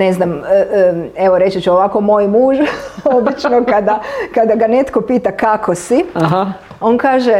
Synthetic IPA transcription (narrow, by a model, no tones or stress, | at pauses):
ne̞znam | e̞ʋoɾe̞t͡ʃit͡ʃuoʋako̞mo̞jmuːʒobit͡ʃnokad̪akad̪aɡane̞t̪kopiːt̪akakʰosiaɦa | o̞nkaːʒe